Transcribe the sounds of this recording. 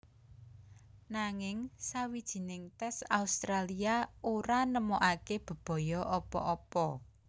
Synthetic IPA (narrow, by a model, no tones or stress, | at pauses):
naŋɪŋsawid̥ʒ̥i̤nɪŋt̪ɛsaust̪ɾaliaoɾanəmɔʔakeb̥ə̤b̥ɔ̤jɔʔɔpɔ̰ʔɔpɔ